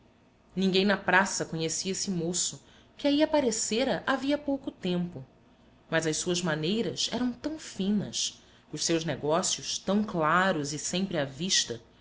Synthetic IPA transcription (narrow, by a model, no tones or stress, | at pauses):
nĩŋɡẽj̃nɐpɾasɐkoɲesiɐesɪmosʊ | kɪaiapaɾeseɾɐʔaviɐpowkʊt̪ẽmpʊ | mɐzɐʃssuɐzmanejɾɐzɛ̰ɾɐ̃w̃t̪ɐ̃w̃fĩnɐ̰s | ʊʃsewʒnɛɡɔsiʊʃt̪ɐ̃w̃klaɾʊzɪsẽmpɾɪaviʃt̪ɐ